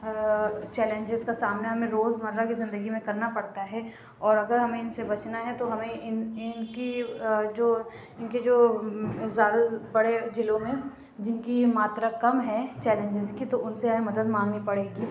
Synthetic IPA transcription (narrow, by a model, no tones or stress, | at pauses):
t͡ʃɛːlə̃ɲd͡ʒɪzkasaːmnaɦɐmẽɾoːzmɐɾːakizɪ̃nd̪əɡimẽkɐɾnapɐɽt̪aɦɛː | ɔːɾɐɡəɾɦɐmẽɪnsebɐt͡ʃnaɦɛt̪oɦɐmẽɪnɪnkid͡ʒoː | ɪnked͡ʒoː | zjaːd̪abɐɽed͡ʒɪlõmẽ | d͡ʒɪnkimaːt̪ɾakɐmɦɛ̃t͡ʃɛːlə̃nd͡ʒɪzkit̪oʊnseaːemɐd̪əd̪mãːŋɡnipɐɽeːɡiː